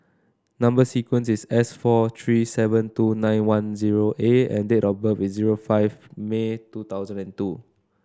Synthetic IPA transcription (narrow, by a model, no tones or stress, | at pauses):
nãmbəsikwə̃nsisɛsfɔt̪ʰɹisɛvə̃ntunãjnwãnziɹoʔeɛ̰̃ndetɔbəfisziɹofaɪvmetut̪aʊzə̃nɛ̃ntu